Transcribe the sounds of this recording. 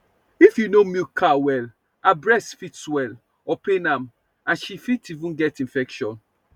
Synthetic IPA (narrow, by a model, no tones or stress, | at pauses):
ifjunomikʰawɛl | abɹɛstfitswɛl | ɔpenãm | ãnʃifitivũnɡɛtĩnfɛkʃɔ̃n